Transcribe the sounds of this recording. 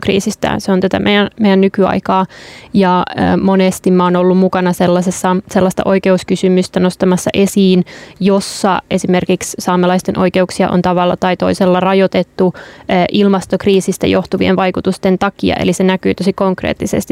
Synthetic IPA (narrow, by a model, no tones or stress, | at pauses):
krḭːsist̪æ̰seont̪æt̪æmʔejænmejænnykyɑ̰ikɑːjɑːmonest̪immæonolːummukɑnɑselːɑsesːɑselːɑst̪ɑ̰ʔo̞ike̞uskysymyst̪æno̞st̪ɑmɑsːɑ̰ʔesiːnjosːɑe̞simerkikssɑːmelɑist̪enʔo̞̰ike̞uksiɑ̰ʔo̰nt̪ɑʋɑlːɑt̪ɑit̪o̞iselːɑrɑjot̪et̪ːuːʔilmɑst̪okriːsist̪æ̰jo̞ht̪uʋḭenʋɑjkut̪ust̪ent̪ɑkiɑ̰ʔḛlisenækyːt̪o̞sikoŋkrḛːt̪ːisḛst̪i